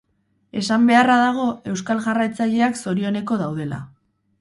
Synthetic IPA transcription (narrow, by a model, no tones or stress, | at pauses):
e̞sambe̞araðaɣ̞o̞e̞wskalʝarajt͡saʎe̞akso̞ɾio̞ne̞ko̞ðawð̞e̞la̰